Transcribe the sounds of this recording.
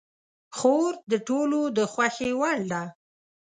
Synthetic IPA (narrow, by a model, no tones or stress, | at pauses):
xoɾd̪əʈolod̪əxwaxewɑɳd̪a